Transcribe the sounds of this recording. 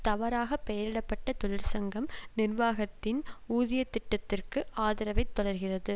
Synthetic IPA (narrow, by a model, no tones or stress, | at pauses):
t̪ɐʋɐɾaːɣɐpːɛjɐɾɪɽɐpːɐʈːɐt̪ɔɻɪɾsɐŋɡɐmnɪrʋaːɣɐt̪ːɪnuːðɪjɐt̪ːɪʈːɐt̪ːɪrkɯʔaːðɪɾɐʋɐɪt̪ːɔɽɐɾɣɪrɐðɯ